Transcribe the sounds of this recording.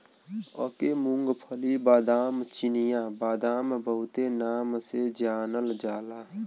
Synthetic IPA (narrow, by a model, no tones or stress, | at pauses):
ɔ̰kemʊ̃ŋɡpʰəlibaːd̪aːmt͡ʃɪnɪjãbaːd̪aːmbəɦʊt̪enaːmsed͡ʒaːnəld͡ʒaːlaː